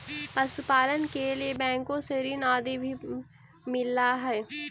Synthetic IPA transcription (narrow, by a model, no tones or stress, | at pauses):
pɐsʊpaːlənkeliebɛ̃ːŋkõseɾinaːd̪ebʱi | mɪlːaɦɛː